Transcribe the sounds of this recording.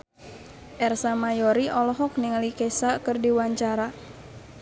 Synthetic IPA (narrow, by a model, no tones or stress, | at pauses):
ʔɛrsamajɔɾiʔɔlɔɦɔk̚niŋalikɛsakərdiwaɲt͡ʃaɾa